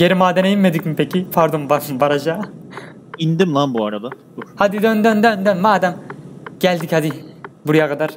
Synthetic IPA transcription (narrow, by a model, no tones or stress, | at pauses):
ɟe̞ɾimaːd̪ɛnejinme̞d̪icmipʰecipʰaɾd̪ombambaɾad͡ʒaː | ind̪imlˠanbuaɾad̪a | buhad̪id̪ønd̪ønd̪ønd̪ønmaːd̪æmɟ̥ælʲd̪ichad̪ibuɾijakʰad̪aɾ̥